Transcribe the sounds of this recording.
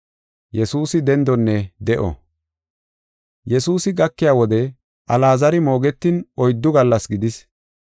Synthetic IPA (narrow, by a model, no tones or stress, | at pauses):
jɛsuːsɪd̪ɛnd̪ɔnːɛd̪ɛʔɔ̰ | jɛsuːsɪɡɐkːɪjaːwɔd̪ɛ | ʔɐlaːzɐɾɪmo̞ːɡɛt̪ːɪnɔjd̪ːʊɡɐlːɐsɡɪd̪ɪs